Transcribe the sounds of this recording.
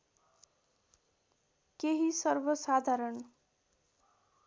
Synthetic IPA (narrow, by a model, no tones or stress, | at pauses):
keɦisʌrbʌsad̪ʱaɾʌn